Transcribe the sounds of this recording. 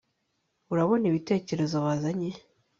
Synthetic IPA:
uɾaβo̞niβite̞ːce̞ɾe̞zoβaːzaɲe̞

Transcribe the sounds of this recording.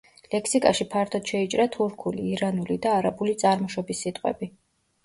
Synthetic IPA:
lɛkʰsikʼaʃipʰaɾt̪ʰɔd̪̥ʃɛit͡ʃʼɾat̪ʰuɾkʰuliːɾanulid̪aːɾabulit̪sʼaɾmɔʃɔbisːit̪ʼqʼwɛ̰bi

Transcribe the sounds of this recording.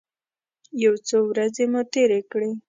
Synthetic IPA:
jawt͡sowɾazemut̪eɾekɽe

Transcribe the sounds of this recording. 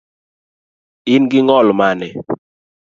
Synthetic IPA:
ɪnɡɪŋɔlmanɛ

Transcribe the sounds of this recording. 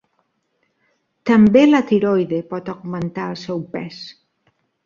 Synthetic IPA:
t̪ambelat̪iɾojðepɔt̪oɣmẽnt̪aɾasɛwpɛs

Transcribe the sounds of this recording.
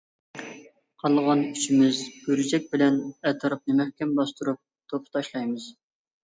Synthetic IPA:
qʰɑlˠʁɑnyt͡ʃʰimɪzb̥øɾɪd͡ʒɛk̚ʲbɪlɛnɛt̪ʰɑɾɑp̚nɨmɛhkʲɛmbɑst̪uɾup̚ | t̪ʰopʰt̪ʰɑʃlˠɑjmɨz̥

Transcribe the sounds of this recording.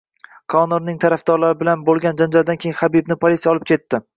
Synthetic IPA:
kʰɒnoɾnɪŋt̪ʰaɾafd̪̥ɒɾlaɾɪbɪlanbolˠɡʲand͡ʒand͡ʒald̪ankʲʰejɪŋχabib̚nɪpʰolisijɒlɪp̚kʲe̞t̪ːɪ

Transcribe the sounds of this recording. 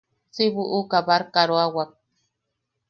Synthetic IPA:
t͡siβuʔukabaɾkaɾoawak̚

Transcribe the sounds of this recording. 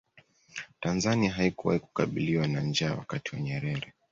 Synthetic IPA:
tanzaniaɦaikuwa̰hiku̥kaɓiliwanand͡ʒaːwa̰katiwaɲɛɾɛɾɛ

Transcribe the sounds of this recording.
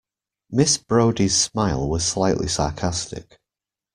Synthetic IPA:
mɪsb̥ɹoʊdiz̥smaɪlˠwɒz̥slaɪʔlɪ̰sɑ̰ːˑkʰastɪ̰k

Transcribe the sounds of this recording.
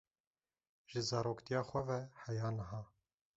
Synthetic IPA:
ʒ̥ɨzɑːɾoːkt̪ijɑːxʷɛvɛhɛjɑːnɨɦɑː

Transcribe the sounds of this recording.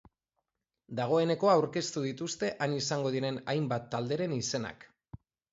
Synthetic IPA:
d̪aɣ̞o̞e̞ne̞ko̞aːwɾke̞st̪uðit̪ust̪e̞ʔanisaŋɡo̞ð̞iɾe̞najmbat̪ːald̪e̞ɾe̞nise̞na̰k

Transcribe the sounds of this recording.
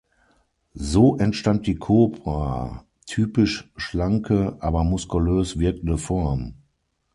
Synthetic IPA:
zoːʔɛntʃtant̚d̥iːkʰoːpʁa̰ | tʰyːpɪʃʃlaŋkʰəʔaːbɐmʊskuløːsv̥ɪɐk̚n̩dəfɔɐm

